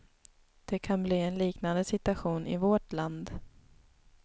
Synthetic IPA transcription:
d̪̥ɛkʰanbliːɛnliːknand̪əsɪt̪aɧuːnʔɪ̰vɔʈland̪

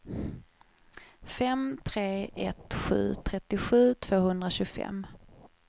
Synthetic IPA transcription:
fɛmt̪ʰɾeːʔɛt̪ɧʉ̟̰ːt̪ʰɾɛt̪ːɪɧʉ̟ːt̪ʰv̥oːhɵnd̪ɾaɕɵɡfɛ̰m

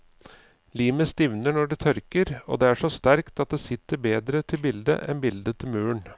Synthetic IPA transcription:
liːməst̪ɪʋnəɳɔɖɛt̪ʰœɾkəɾo̰ːd̪eæʂɔst̪æɾkt̪ɑt̪̚d̪eːsɪt̪ːəɾbeːd̪ɾət̪ʰɪlbɪld̪ə̰ʔɛ̰nbɪld̪ət̪ʰɪlmʉːəɳ

